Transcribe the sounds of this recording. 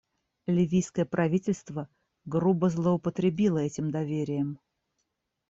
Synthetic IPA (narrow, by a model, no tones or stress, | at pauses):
lʲɪvʲijskəjəpɾɐvʲitʲɪlʲst̪və | ɡrubəzlˠəəpət̪ɾʲɪbʲilˠəɛtʲɪmd̪ɐvʲeɾʲɪjəm